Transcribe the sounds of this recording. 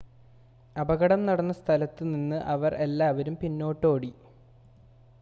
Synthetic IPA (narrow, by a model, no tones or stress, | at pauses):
ɐbɐɣɐɽɐmnɐɽɐnːɐst̪ʰɐlɐt̪ːɨninːɨʔɐʋɐrʔe̞lːaːʋɐɾumpinːo̞ːʈːo̞ːɽi